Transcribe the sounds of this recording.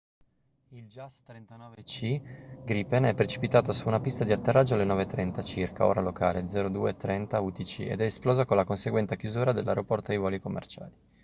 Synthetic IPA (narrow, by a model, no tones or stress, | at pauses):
ild͡ʒast̪ɾent̪anɔːvet͡ʃiɡɾipenɛpːɾet͡ʃi̥pit̪aːt̪osuːnapist̪ad̪iat̪ːerːad͡ʒːoalːenɔːvet̪ːɾɛnt̪at͡ʃirka̰o̰ːɾaloka̰ːled̪zɛːɾod̪uːet̪ːɾɛnt̪aut̪it͡ʃḭḛd̪ɛːsplɔːzakonlakonseɡwɛnt̪ekjuzuːɾad̪elːaɾopɔrt̪oejvɔːlikomːḛrt͡ʃa̰ːli